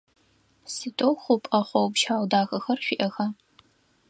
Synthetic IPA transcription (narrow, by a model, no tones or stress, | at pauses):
sitʼowxʷʊpʼɐχʷɔwpʃaːwdaːxɐxɐrɕʷiʔɐxa